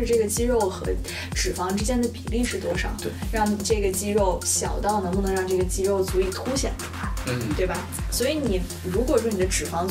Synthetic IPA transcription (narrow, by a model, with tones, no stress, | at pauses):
ɻ̩˥˧ʈ͡ʂɤ˥˩ɡə˩t͡ɕi˥ɻo˥˩ʊxɤ˧˥ | ʈ͡ʂɻ̩˨˩fɑ˧˥ŋʈ͡ʂɻ̩˥t͡ɕjɛ˥nd̪ə˨˩pi˨˩li˥˧ʂɻ̩˥˩t̪wɔ˥ʂɑ̰˨˩ʊɻɑ˥˩ŋi˨˩ʈ͡ʂɤ˥˩ɡə˩t͡ɕi˥ɻo˥˩ʊɕjɑ̰˨˩ʊt̪ɑ˥˩ʊnə˧˥ŋpu˧˩nɤ˧˥ɻɑ˥˧ŋʈ͡ʂɤ˥˩ɡə˩t͡ɕi˥ɻo˥˩ʊt͡su˧˥i˨˩t̪ʰu˥ɕjɛ̰˨˩nd̪ə˧˥xa˥˧t̪we˥˩ɪbɐ˩swɔ˧˥i˧˥ni˨˩ | ɻu˧˥kwɔ˨˩ɻɔ˥˩ni˨˩d̪ə˦ʈ͡ʂɻ̩˨˩fɑ˧˥ŋ